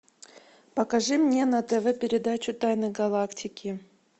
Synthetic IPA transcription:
pəkɐʐɨmnʲenɐt̪ɛvɛpʲɪɾʲɪd̪at͡ɕʊt̪ajnɨɡɐlˠaktʲʰɪkʲɪ

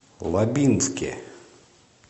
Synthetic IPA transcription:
lˠɐbʲinskʲɛ̰

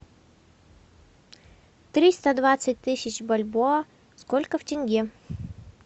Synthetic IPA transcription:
t̪ɾʲist̪əd̪vat̪sɨt̚ʲt̪ɨsʲɪt͡ɕbɐlʲboə | skolʲkəftʲɪnʲɡʲi

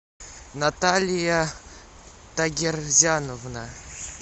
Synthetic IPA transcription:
nat̪alʲɪja | t̪ɐɡʲɪrzʲanovna

